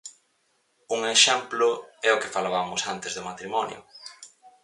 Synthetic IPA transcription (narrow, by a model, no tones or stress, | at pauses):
uŋeʃɛmplʊɛʊkefalaβamʊsant̪ezðʊmat̪ɾimɔnjʊ̰